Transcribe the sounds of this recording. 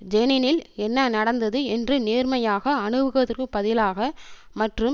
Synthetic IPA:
d͡ʒɛnɪnɪlɛnːɐnɐɽɐnd̪ɐðɯɛndrɯneːrmɐjaːɣɐːɳɯʋɯɣɐðɯrkːɯpːɐðɪlaːɣɐ | mɐʈrɯm

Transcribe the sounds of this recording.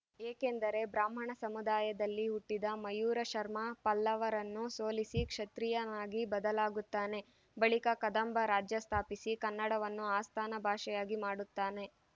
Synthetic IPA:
eːke̞nd̪ɐɾe̞bɾaːm̤ɐɳɐsɐmud̪aːjɐd̪ɐlːiuʈːid̪ɐmɐjuːɾɐʃɐɾmɐpɐlːɐʋɐɾɐnːusoːlisikʂɐt̪ɾijɐnaːɡibɐd̪ɐlaːɡut̪ːaːne̞ | bɐɭikɐkɐd̪ɐmbʱɐɾaːd͡ʒjɐst̪ʰaːpisikɐnːɐɽɐʋɐnːuaːst̪ʰaːnɐbʱaːʂɛjaːɡimaːɽut̪ːaːne̞

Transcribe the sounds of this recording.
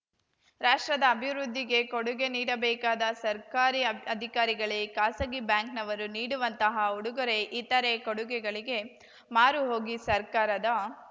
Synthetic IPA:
ɾaːʂʈɾɐd̪ɐːbʱiʋɾud̪ʱːiɡe̞koɽuɡe̞niːɽɐbɛːkaːd̪ɐsɐɾkaːɾiɐd̪ʱikaːɾiɡɐɭekaːsɐɡibjaːŋknɐʋɐɾuniːɽuʋɐnt̪ɐɦɐuɽuɡɐɾe̞ʔit̪ːɐɾekoɽuɡɛɡɐɭiɡe̞ | maːɾuɦo̞ːɡisɐɾkaːɾɐd̪ɐ

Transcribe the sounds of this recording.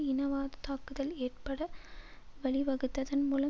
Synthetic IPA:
ɪnɐʋaːðɐt̪aːkɯðɐleːrpɐɽɐ | ʋɐɭɪʋɐɣɯt̪ːɐðɐnmuːlɐ

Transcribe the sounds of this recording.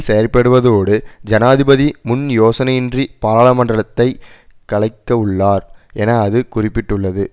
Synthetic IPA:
sejɐɾpːɐɽɯʋɐðoːɽɯd͡ʒɐnaːðɪbɐðimʊnjoːsɐnɐjɪndripaːɾaːɭɐmɐɳdrɐɭɐt̪ːɐɪkɐɭɐɪkːɐɯɭːaːɾɛnɐːðɯkʊrɪpːɪʈːɯɭːɐðɯ

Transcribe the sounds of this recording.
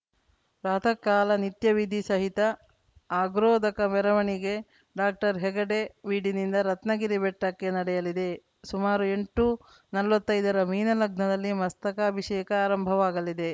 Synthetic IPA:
pɾaːt̪ʰɐkːaːlɐnit̪jɐʋid̪ʱisɐɦit̪ɐ | aːɡɾoːd̪ɐkɐmɛɾɐʋɐɳiɡe̞ | ɖaːk̚ʈɐɾɦɛɡɐɽeʋiːɽinind̪ɐɾɐt̪nɐɡiɾibɛʈːɐkːe̞nɐɽɛjɐlid̪e̞ | sumaːɾue̞ɳʈu | nɐlʋɐt̪ːɐjd̪ɐɾɐmiːnɐlɐɡnɐd̪ɐlːimɐst̪ɐkɐːbʱiʂɛːkɐaːɾɐmbʱɐʋaːɡɐlid̪e̞

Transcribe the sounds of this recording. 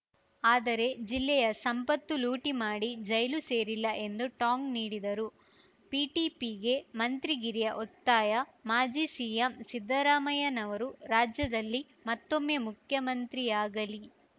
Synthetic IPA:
aːd̪ɐɾe̞d͡ʒilːɛjɐsɐmpɐt̪ːuluːʈimaːɽid͡ʒɐjluse̞ːɾilːɐʔe̞nd̪uʈaːŋɡniːɽid̪ɐɾu | piːʈiːpiɡe̞mɐnt̪ɾiɡiɾijɐʔot̪ːaːjɐmaːd͡ʒisijɐmsid̪ːɐɾaːmɐjɐnɐʋɐɾuɾaːd͡ʒjɐd̪ɐlːi | mɐt̪ːo̞mːe̞ːmukʰjɐmɐnt̪ɾiaːɡɐli

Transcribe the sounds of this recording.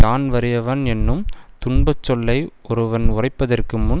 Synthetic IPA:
aːnʋɐɾɯjɐʋɐnɛnːɯmt̪ʊɳbɐt͡ʃːɔlːɐɪʔɔɾɯʋɐnʊrɐɪpːɐðɐrkɯmʊn

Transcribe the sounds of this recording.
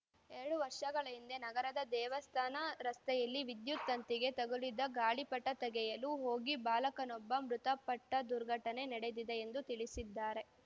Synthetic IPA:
eɾɐɽuʋɐɾʂɐɡɐɭɐind̪ɐnɐɡɐɾɐd̪ɐd̪ɛːʋɐst̪ʰaːnɐɾɐst̪ɛjɐlːiʋid̪jut̪ːɐnt̪iɡe̞t̪ɐɡulid̪ːɐɡaːɭipɐʈːɐt̪ɛɡɛjɐluɦo̞ːɡibaːlɐkɐnɔbːɐmɾut̪ɐpɐʈːɐd̪uɾɡʱɐʈɐne̞nɛɽed̪id̪e̞ːnd̪ut̪iɭisid̪ːaːɾe̞

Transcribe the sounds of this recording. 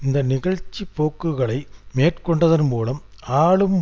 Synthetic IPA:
ɪnd̪ɐnɪɣɐɭt͡ʃːipːoːkːɯɣɐɭɐɪmeːʈkɔɳɖɐðɐnmuːlɐmaːɭɯm

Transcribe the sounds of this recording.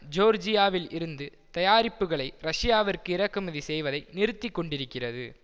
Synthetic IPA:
d͡ʒoːɾd͡ʒɪjaːʋɪlɪɾɯnd̪ɯ | t̪ɐjaːɾɪpːɯɣɐɭɐɪɾɐʂɪjaːʋɐrkɯɪɾɐkːɯmɐðisɛjʋɐðɐɪnɪɾɯt̪ːɪkːɔɳɖɪɾɯkːɪrɐðɯ

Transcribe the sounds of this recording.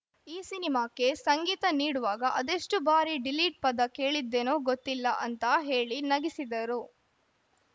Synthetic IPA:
iːsinimaːke̞sɐŋɡiːt̪ɐniːɽuʋaːɡɐʔɐd̪eʂʈubaːɾiɖiliːʈ̚pɐd̪ɐke̞ːɭid̪ːenoːɡot̪ːilːɐʔɐnt̪ɐɦe̞ːɭinɐɡisid̪ɐɾu

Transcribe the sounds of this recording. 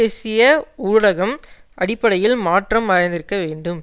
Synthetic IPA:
eːsɪjɐuːɽɐɣɐmʔɐɽɪpːɐɽɐjɪlmaːʈrɐmːɐɾɐɪnd̪ɪɾɯkːɐʋeːɳɖɯm

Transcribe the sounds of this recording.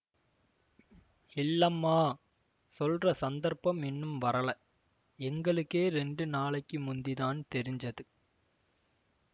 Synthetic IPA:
ɪlːɐmːaː | sɔlrɐsɐnd̪ɐɾpːɐmɛnːɯmʋɐɾɐɭɐ | ɛŋɡɐɭɯkːeːɾɛɳɖɯnaːɭɐɪkːɯmʊnd̪iðaːnt̪ɛɾɪɲd͡ʒɐðɯ

